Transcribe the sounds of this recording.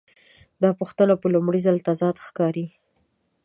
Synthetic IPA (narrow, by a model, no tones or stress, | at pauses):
d̪ɑpuxt̪ənapəlʊmɽizalt̪azɑd̪xkɑɾi